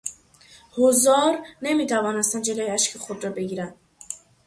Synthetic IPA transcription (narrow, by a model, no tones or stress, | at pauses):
hozɒːɾne̞miːt̪ʰævɒːnest̪ænd̪d͡ʒeloːjeæʃkʰexod̪ɾɒbe̞ɡiːɾænd̪̥